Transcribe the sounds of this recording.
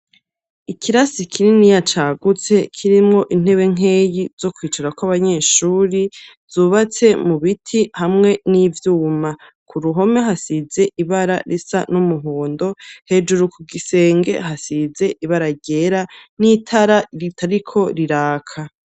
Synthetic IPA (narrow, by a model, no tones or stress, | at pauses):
ikiɾasikʰiɾinijat͡ʃaɡut͡se̞kʰiɾimŋo̞ʔin̥e̞βe̞ŋ̥e̞ːjiz̥o̞kwiːt͡ʃaɾakwaβaɲe̞ːʃuːɾi | z̥uːβat͡se̞muβitʰihamŋe̞nivjuːma | kʰuɾuɦo̞me̞ɦasize̞ʔiβaɾa̰ɾisa̰numuɦoːndo̞he̞d͡ʒuɾukʰuɡise̞ːŋɡe̞̰ɦasize̞ʔiβaɾaɟe̞ɾanitʰaɾaɾitʰaɾikʰo̞ɾiɾaːkʰa